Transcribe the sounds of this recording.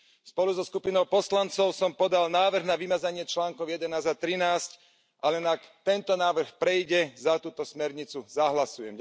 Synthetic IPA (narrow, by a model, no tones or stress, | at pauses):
spɔluzɔskupinɔʊpɔslant͡sɔʊsɔmpɔd̪alnaːʋr̩ɣnaʋimad͡zaɲɪɛt͡ʃlaːŋkɔʊjɛd̪ɛnaːzd̪at̪ɾinaːsc | ʔalɛnakt̪ɛnt̪ɔnaːʋr̩xpɾɛjɟɛzat̪uːt̪ɔsmɛɾɲit͡suzaɦlasujɛm